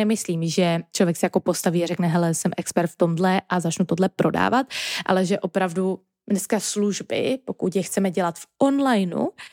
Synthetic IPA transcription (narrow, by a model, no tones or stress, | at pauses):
ɛmɪsliːmʒɛt͡ʃlovjɛksɛjako̞po̞st̪aviːarɛknɛɦɛlɛsɛmʔɛkspɛɾt̪ft̪o̞mdlɛʔazat͡ʃnut̪odlɛpɾʔo̞da̰ːvat̪̚ʔa̰lɛʒɛʔo̞pɾavdu | nɛskasluʒbɪ̰po̞kut̪jɛxt͡sɛmɛɟɛlat̪fʔonlajnṵ